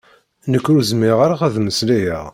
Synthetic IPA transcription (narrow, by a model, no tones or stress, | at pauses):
nəkːɾuzmɪʁaɾaʁæðməslæjæ